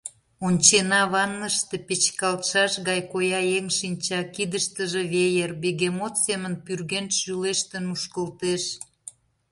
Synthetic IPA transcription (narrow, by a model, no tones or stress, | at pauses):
onʲt͡ɕenɑβɑnːəʃt̪e̽pet͡ɕkɑlt̪ʃɑʃɣɑjkojɑeŋʃinʲt͡ɕɑkid̪əʃt̪əʒeβejerbeɣemot̪semənpyrɣenʃyleʃt̪ənuʃkəlt̪eʃ